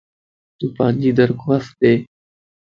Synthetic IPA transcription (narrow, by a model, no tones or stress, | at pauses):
t̪uːpaːnʲd͡ʒiːd̪əɾkoas̚d̪eː